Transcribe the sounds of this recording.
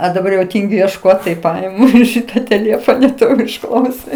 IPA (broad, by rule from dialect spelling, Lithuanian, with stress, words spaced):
oː dɐˈbɐr jɛʊ ˈtʲiːŋʲɡʲʊ iɛʃˈkoːt tɐɪ ˈpɑːjɛmʊ ˈʃʲiːtɐ tʲeːˈlʲeːfoːnɐ ˈtoː ɪr ʊʃˈklˠɐʊsʲɪ